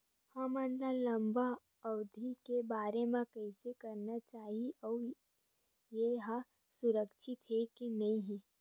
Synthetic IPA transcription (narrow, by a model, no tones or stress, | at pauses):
hãːmənlalɐ̃mba | ɐwd̪ʱikebaːɾemãkɛɪsekɐɾnat͡ʃaːɦiɔː | jeɦã | sʊɾəkʃɪt̪ɦekinɐɦĩɦĩ